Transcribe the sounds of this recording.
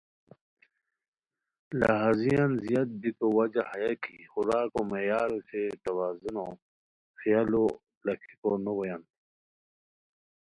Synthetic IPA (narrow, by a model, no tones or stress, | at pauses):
la̰ɦazijanzijɐt̪̚bik̪owɐd͡ʑahajakḭxuɾaːkomejaːɾoset̪ɐwaːzunõ | xijaːlo | lɐkʰikonuwɐjan